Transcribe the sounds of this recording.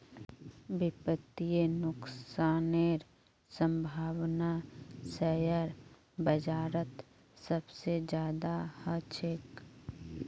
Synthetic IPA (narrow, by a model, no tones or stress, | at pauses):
bɪpət̪ijenʊksaːneɾ | sə̃mbʱaːwnasəjəɾ | bəd͡ʒaːɾət̪ | səbsed͡ʒjaːd̪ahət͡ʃʰɪk